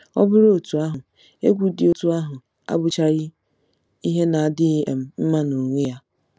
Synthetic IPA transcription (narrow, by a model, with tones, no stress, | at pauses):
ɔ̰˦bʊ˦ɾo˨tu˨a˦ɦʊ˨ | e˦ɡʷu˦dɪ˨o˨tu˦a˦ɦʊ˨ | a̰˦bʊ˨t͡ʃa˦ɾɪ˦ | i˦ɦe˦na˨a˨dɪ˦e˨m̩˦m̩˦ma˦no˨ŋʷe˦ja˦